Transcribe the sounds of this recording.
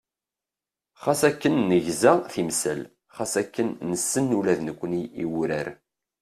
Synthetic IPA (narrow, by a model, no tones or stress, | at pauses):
χɑsækːənːəʝzæθimsə̰l | χɑsækːənnːəsːənːulæðnəkʷːəniiwɾæɾ